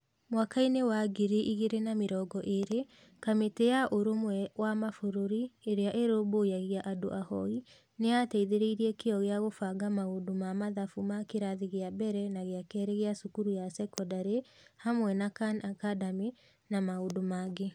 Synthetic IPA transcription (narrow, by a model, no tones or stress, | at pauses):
mwakainewaɡiɾeʔiɣeɾenameɾɔːɡɔʔeɾe | kametejaʔoɾomwɛwamafoɾoɾieɾeaʔeɾobojaɣjaʔado̰ʔahɔi | neatɛiðeɾeiɾiɛkeɔɣeaɣofaɡamaodomamaðafumakeɾaðiɣeabɛɾɛnaɣeakɛːɾeɣeasukuɾujasɛkɔdaɾehamwɛnakanakadame | namaodomaɡe